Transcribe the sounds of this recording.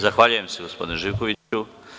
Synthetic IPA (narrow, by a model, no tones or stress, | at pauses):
zaxʋaːʎuje̞mseɡospo̞d̪inuʒiːʋkoʋiu